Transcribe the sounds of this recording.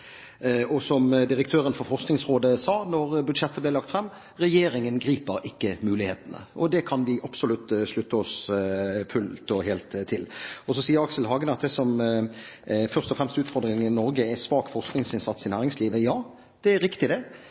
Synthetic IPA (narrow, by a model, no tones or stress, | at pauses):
ɔsɔmd̪ɪɾəkt̪ʰøːɾənfɔɾfɔʁsknɪŋsʁoːd̪əsɑːnɔɾbʉd̪ʃɛt̪ːəblɛlɑkt̪fɾɛmː | ʁɛjeːɾɪŋənɡɾiːpəɾɪkːəmʉːlɪheːt̪ənə̰ʔɔd̪ɛkʰɑnʋɪʔɑpsʊlʉt̪ːslʉt̪ːəɔs | fʰʉlt̪ɔɦeːlt̪ʰːɪlɔsɔsiːəɾɑksəlɦɑːɡənɑt̪̚d̪ɛsɔm | fœʁst̪ɔfʁɛmst̪ʉːt̪fɔɾd̪ɾɪŋɪnɔɾɡəæsʋɑːkfɔʁsknɪŋsɪnsɑt̪sɪnæːɾɪŋsliːʋəjɑː | d̪̥ɛæɾɪkt̪ɪd̪ɛ